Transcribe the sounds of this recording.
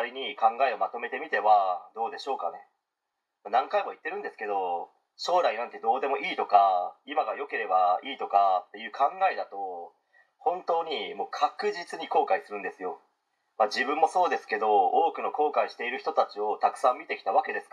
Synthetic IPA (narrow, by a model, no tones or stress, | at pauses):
ɾʲiɲ̟ikãŋɡae̞o̞mat̪o̞me̞t̪e̞mʲit̪e̞βad̪o̞ːd̪e̞ɕo̞ːkane̞ | manãŋkaimo̞it̪ːe̞ɾɯ̟̃nd̪e̞sɨ̥ke̞d̪o̞ | ɕo̞ːɾainãnt̪e̞d̪o̞ːd̪e̞mo̞ʔiːt̪o̞kaimaɡajo̞ke̞ɾe̞baiːt̪o̞kat̪ːe̞jɯ̟ːkʰãŋɡaed̪at̪o̞ | hõ̞nt̪o̞ːɲ̟imo̞ːkʰakɯ̟ʑit͡sɨɲ̟iko̞ːkaisɨɾɯ̟̃nd̪e̞sɨjo̞ | mad͡ʑibɯ̟̃mːo̞so̞ːd̪e̞sɨ̥ke̞d̪o̞oːkɯ̟no̞ko̞ːkaiɕi̥t̪e̞iɾɯ̟çʲi̥t̪o̞t̪at͡ɕio̞t̪akɯ̟̥sãmːʲit̪e̞kʲi̥t̪aβ̞ake̞d̪e̞sɨ̥ka